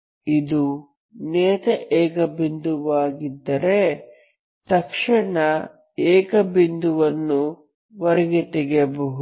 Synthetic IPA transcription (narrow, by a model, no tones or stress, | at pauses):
id̪u | nɛːt̪ɐʔɛːkɐbind̪uʋaːɡid̪ːɐɾe | t̪ɐkʂɐɳɐ | ɛːkɐbind̪uʋɐnːu | ʋɐɾɛɡet̪ɛɡebɐɦu